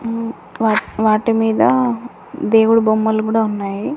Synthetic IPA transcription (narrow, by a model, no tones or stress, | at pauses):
ʋaːʋaːʈimiːd̪ɐ | d̪e̞ːwuɽubomːɐlukuːɽaːunːaːji